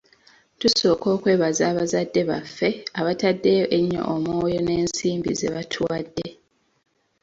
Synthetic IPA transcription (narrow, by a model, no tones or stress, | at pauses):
tuso̞ːko̞ːkwe̞ːβazaːβazadːe̞βa̰fːe̞aβatadːe̞ʔeɲːo̰ʔomoːjo̞ne̞ːnsiːmbize̞βatʰwadːe̞